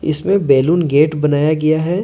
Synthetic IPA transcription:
ɪ̰smẽbɛːluːnɡeːʈbɐnaːjaɡɐjaɦɛː

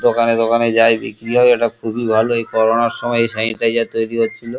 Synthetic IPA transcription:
t̪okʰanet̪ɔkaned͡ʒajbḛkɾiɦɔjeʈakʰubibʱaloejkɔɾonaɾʃɔmɔeejsaiʈajd͡ʒat̪ojɾiɦot̪ːt͡ʃʰilo

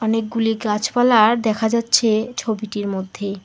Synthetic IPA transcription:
ɔnek̚ɡuliɡat͡ɕpalaɾd̪ɛkʰad͡ʑatːɕʰet͡ɕʰobiʈiɾmod̪ʱːe

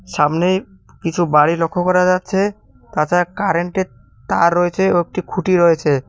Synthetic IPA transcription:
ʃamnej | kit͡ɕʰubaɽilokʰːokɔɾad͡ʑatːɕʰe | t̪at͡ɕakaɾeɳʈe | t̪aɾːɔet͡ɕʰeoek̚ʈikʰuʈiɾɔet͡ɕʰe

